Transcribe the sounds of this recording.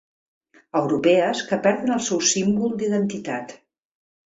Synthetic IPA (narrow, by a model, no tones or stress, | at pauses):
əwɾupɛəskəpɛɾðənəlˠsɛwsimbulˠd̪iðənt̪it̪at̪